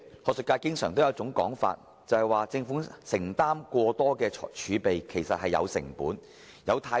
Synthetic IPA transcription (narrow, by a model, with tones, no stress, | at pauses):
hɔː˨k̚sɵ˨kaː˧jkɪ˥ŋsœː˨˩ŋt̪o˥wjɐ˨˧wt͡sʊ˨˥ŋkɔː˨˥ŋfa̰ː˧t̚ | t͡sɐ˨˧hɐ˨jwaː˨t͡sɪ˧ŋfʊ˨˥ŋsɪ˨˩ŋt̪aː˥mkʷɔː˧t̪ɔː˥kɛː˧˨t͡ʃʰyː˨˧pe˨jkʰe˨˩jsɐ˨t̚hɐ˨jɐ̰˨˧wsɪ̰˨˩ŋpuː˨˥n | jɐ˨˧wt̪ʰaː˧